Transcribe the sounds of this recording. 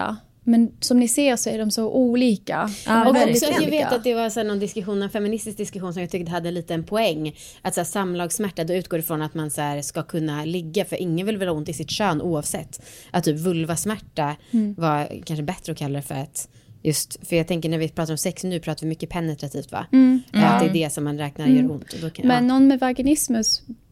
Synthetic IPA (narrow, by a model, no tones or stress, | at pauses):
mɛnsɔmnɪseːɾsɔæɖɔmsɔʔuːliːka̰ɔkɔksɔajaɡveːt̪at̪̚d̪ɛvaɾsɔæːɳɔnd̪ɪskɵɧuːnːɛnfɛmːɪnɪst̪ɪsk̚d̪ɪskɵɧuːnsɔmjaɡt̪ʰʏk̚ːt̪əɦad̪ːəliːt̪əɛnpʰɔɛŋː | ʔat̪sæːsamːlɑːɡsmæʈːad̪ɔʉ̟t̪̚ɡoːɾɪfɾɔnat̪mansæːɾskakʰɵnːalɪɡːafœɾʔɪŋːənvɪlvɪlhaʊnt̪ɪsɪt̪ɕøːnʔuːavsɛt̪ː | ʔat̪ʰːyːpvɵlvasmæʈːavakʰanʂəbɛt̪ɾəɔkʰalːaɾɛfœ̰ɾat̪ | jɵst̪fœjɑːɡt̪ʰɛŋkəɳæɾvɪpʰɾɑːt̪aɾɔmsɛksnʉ̟ːpʰɾɑːt̪avɪmʏkːəpʰɛnːɛt̪ɾat̪ʰiːft̪va̰alt̪̚d̪ɛd̪ɛsɔmːanɾɛːknaɾjœːɾʊnt̪ɔd̪ɔmɛnːɔnmɛvaɡɪnɪsmɵs